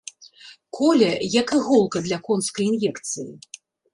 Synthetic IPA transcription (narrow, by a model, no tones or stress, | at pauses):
kʰɔlʲɐjɐkɨɣɔlˠkɐd̪lʲɐkɔnskɐjinjɛkt̪sɨji